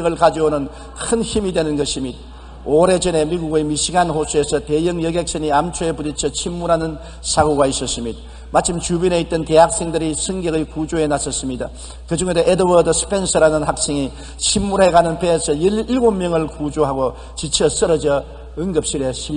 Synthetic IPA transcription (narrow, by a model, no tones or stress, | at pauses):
ŋɯɭkad͡ʑionɯn | kʰɯnçimidwenɯnɡʌɕʰimid̚ | oɾed͡ʑʌne̞miɡuɡɯjmiɕʰiɡanhosʰue̞sʰʌte̞jɯŋjʌɡek̚s͈eniamt͡ɕʰoepuɾit͡ɕʰʌt͡ɕʰimːuɾɦanɯn | sʰaɡoɡaisʌs͈ɯmɲid̚ | mat͡ɕʰɯmt͡ɕubine̞it͈̚ɯnte̞ɦak̚s͈e̞ŋdɯɾisʰɯŋɡjʌɡɯɭkud͡ʑoe̞nasʰʌs͈ɯmɲida̰ | kɯd͡ʑuŋedeʔedɯwʌdɯsʰɯ̥pʰe̞nsʰʌɾanɯnhak̚s͈ʰeŋi | t͡ɕʰimːuɾeɡanɯnpeːsʰʌjiɭɡomːjʌŋɯɭkud͡ʑoɦaɡo | t͡ɕit͡ɕʰʌs͈ʌɾʌd͡ʑʌ | ɯŋɡɯp̚ɕ͈ʰiɾeɕʰi